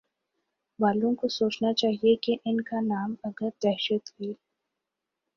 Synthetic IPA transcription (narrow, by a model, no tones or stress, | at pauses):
baːlõkosoːt͡ʃnat͡ʃaːɦiekeʔɪnkanaːmɐɡəɾd̪ɛɦʃət̪ɦui